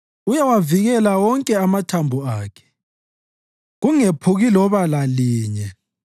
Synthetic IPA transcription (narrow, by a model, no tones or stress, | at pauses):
ujawaviɣɛlawɔŋkʼɛamatʰambʱuaːkʰɛ̥ | ɣuŋepʰuɣilɔβalaliːɲɛ